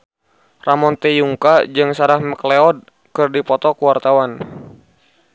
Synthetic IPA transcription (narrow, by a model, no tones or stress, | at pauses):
ramɔnt̪ɛjuŋkad͡ʒɨŋsaɾahməklɛɔd̚ | kɨrdipɔt̪ɔkuwart̪awan